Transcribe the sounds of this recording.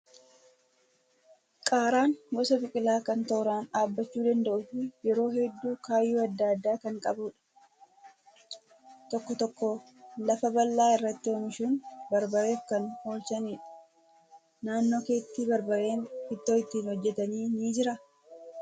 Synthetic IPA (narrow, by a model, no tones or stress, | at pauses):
kʼaːɾaːŋɡɔsɐbɪkʼɪlaːkɐnt̪oːɾaːnaːbːɐt͡ʃːuːd̪ɐnd̪ɐʔʊfɪjɛɾo̞ːɦɛd̪ːuːkaːjːuːɐd̪ːaːd̪ːaːkɐŋkʼɐbuːᶑɐ̥ | t̪ɔkːɔt̪ɔkːo | lɐfɐbɐlːaːɪrːɐt̪ːɪomɪʃuːnbɐɾbɐɾe̞ːfkɐno̞ːlsɐniːᶑɐ̥ | naːnːo̞ːke̞ːt̪ːiːbɐɾbɐɾe̞ːnɪt̪ːoːɪt̪ːiːnhɔd͡ʒːɛt̪ɐniːniːd͡ʒɪɾɐ